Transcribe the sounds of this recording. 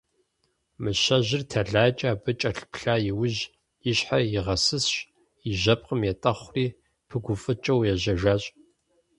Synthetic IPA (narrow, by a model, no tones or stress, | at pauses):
mɨʃɐʒɪrtʰɐɮaːt͡ʃʼaːbɨt͡ʃʼɐɬpɬaːjɪwʊʑ | jɪɕħajɪʁɐsɨsɕ | jɪʒɐp̚ʼqəmjɛtʼɐχʷriː | pʰɨɡʷʊfʼɨt͡ʃʼɐwjɛʒɐʒaːɕʼ